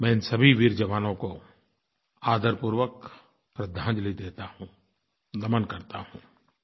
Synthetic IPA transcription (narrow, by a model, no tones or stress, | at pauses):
mɛ̃ːɪnsɐbʱiʋɪɾd͡ʒɐʋaːnõko | aːd̪əɾpuːɾwək | pɾɐd̪ʱãːnd͡ʒlid̪eːt̪ahũː | lɐmənkɐɾt̪ahũː